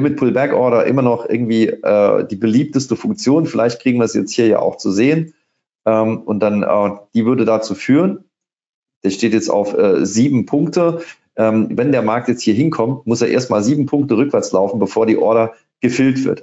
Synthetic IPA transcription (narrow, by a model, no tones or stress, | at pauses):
mɪt̚pʰʊlbɛkʔɔɐɾɐʔɪ̰mɐnɔχʔɪ̰ɐɡŋ̩tv̥iːʔɛ̰ːd̥iːbəliːp̚təstəfʊŋk̚t͡sjoːnfɪlʔaɪçt̚kʁ̥iːɡŋ̩viɐɛsjɛt͡sthiːɐja̰ːʔa̰ʊxt͡suzeːən | ʔɛːmʊnt̚d̥anʔɛ̰ːd̥iːvʏɐdədat͡suːfyːʁən | d̥eːʃteːtjɛt͡sta̰ʊfʔɛːziːbm̩pʰʊŋk̚tə | ʔɛːmvɛndeːɐmaɐk̚tjɛt͡sthiːɐɦɪnkʰɔmtmʊseːʔḛːɐstmaːlziːbm̩pʰʊŋk̚təʁ̞ʏkv̥ɛɐt͡slaʊfn̩bəfoːɐɾiːʔɔɐɾɐ | ɡ̥əfɪltv̥ɪ̰ɐt